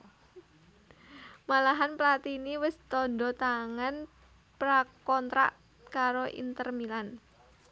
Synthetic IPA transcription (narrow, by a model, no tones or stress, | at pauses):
malaɦanplat̪iniwəst̪ɔndɔt̪aŋan | pɾakɔnt̪ɾa̰ʔ | kaɾoʔḭnt̪ərmilan